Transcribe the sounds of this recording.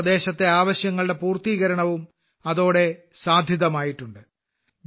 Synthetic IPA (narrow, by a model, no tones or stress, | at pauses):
ɐd̪e̞ːɕɐt̪ːe̞aːʋɐɕjɐŋːɐɭɨɽe̞puːrt̪iːɣɐɾɐɳɐʋum | ɐðo̞ːɽe̞ | saːd̪ʱjɐðɐmaːjiʈːuɳɖɨ | b